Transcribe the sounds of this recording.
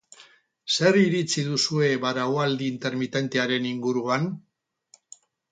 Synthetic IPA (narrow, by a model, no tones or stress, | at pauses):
se̞riɾit͡siðusue̞βaɾawald̪iːnt̪e̞ɾmit̪e̞nt̪e̞aɾe̞niŋɡuɾuan